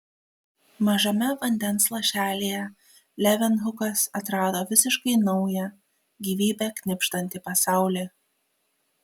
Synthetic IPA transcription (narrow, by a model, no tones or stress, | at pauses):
mɐʒɐmʲɛʋɐnʲd̪ʲɛnˑslˠɐʃʲæːlʲejɛ | lʲɛʋʲɛnɦʊkɐsɐt̪ɾɑːd̪oːʋʲɪsʲɪʃkɐɪnɐʊjɛ | ɡʲiːʋʲiːbʲɛkʲnʲɪpʲʃt̪ɐnʲt̪ʲɪpɐsɑˑʊlʲeː